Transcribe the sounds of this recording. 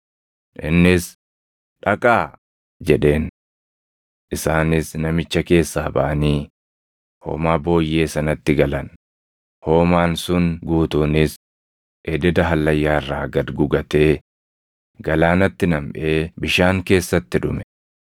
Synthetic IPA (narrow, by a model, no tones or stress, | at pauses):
ʔɪnːɪs | ᶑɐkʼaː | d͡ʒɛᶑe̞ːn | ʔɪsaːnɪsnɐmɪt͡ʃːɐke̞ːsːaːbɐ̰ʔɐniː | ho̰ːmaːbo̞ːjːe̞ːsɐnɐt̪ːɪɡɐlɐn | ho̞ːmaːnsʊnɡuːt̪uːnɪs | ʔɛd̪ɛd̪ɐɦɐlːɐjːaːɪrːaːɡɐd̪ɡʊɡɐt̪e̞ː | ɡɐlaːnɐt̪ːɪnɐmʔeːbɪʃaːŋke̞ːsːɐt̪ːɪᶑʊmɛ̥